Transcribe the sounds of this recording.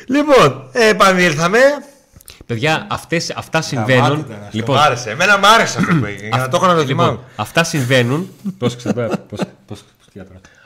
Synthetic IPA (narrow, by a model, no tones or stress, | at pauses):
liponepɐnilθɐme̞ | pe̞ðʝɐɐft̪e̞sɐft̪ɐsiɱvenunlipoɐɾesemenɐmɐɾeseueiɐnɐt̪oxɐnɐt̪olimonɐft̪ɐsiɱve̞nunposkset̪popospo̥st̪ɐt̪oɾɐ